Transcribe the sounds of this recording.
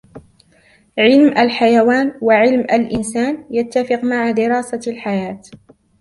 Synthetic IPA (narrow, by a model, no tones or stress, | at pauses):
ʕɪlmʔalħajawaːnwaʕɪlmʔalʔɪnsaːnjat̪ːafɪqmaʕad̪ɪɾɑːsalħajaːt̪